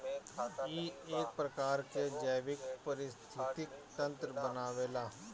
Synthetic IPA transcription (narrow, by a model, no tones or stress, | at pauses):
jiːeːk̚pɾɐkaːɾked͡ʒəjʋɪkpɐɾɪst̪ʰɪt̪ɪkt̪ɐ̃nt̪ɾəbənaːʋeːlaː